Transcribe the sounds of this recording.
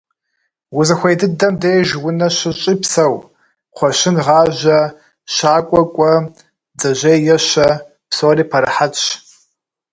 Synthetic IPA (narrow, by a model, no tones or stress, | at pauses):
wʊzɐxʷejdɨdɐmdejʒwʊnɐɕɨɕʼiːpsɐw | qʷɔʃɪnʁɑːʒʷɐ | ɕaːkʷʼɔkʷʼɔ | d͡zɐʑejjɛɕɐ | psoːriːpʰɐɾɐħat͡sʼɕ